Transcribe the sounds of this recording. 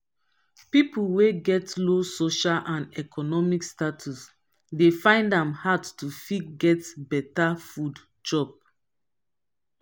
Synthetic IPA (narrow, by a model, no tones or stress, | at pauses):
pipulweɡɛtlosoʃalʔãnɛkʰɔnɔmikstatʰus | defãɪ̃ndãmhadtufitɡɛtbɛtafud | d͡ʒɔp̚